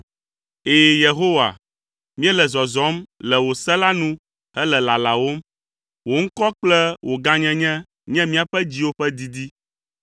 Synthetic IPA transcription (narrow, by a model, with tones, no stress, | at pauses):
eː˦je˨ɦo˦wa̰˨ | mĩ˦ɛ˦lɛ˨zɔ˨zɔ˨˦mlɛ˨wo˨sɛ˦la˦nũ˦ | ɛ˦lɛ˨la˨la˨wo˦m | wo˨ŋ̩˦kɔ˦k͡plɛ˦wʔo˨ɡã˦ɲɛ̃˦ɲɛ̃˦ | ɲɛ̃˦mĩ˦a˨ɸɛ˦d͡ʑi˦wo˦ɸɛ˦d̪i˦d̪i˦